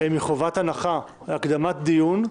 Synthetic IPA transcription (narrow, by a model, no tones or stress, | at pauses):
emiχovat̪anaχa | veakd̪amat̪d̪ijun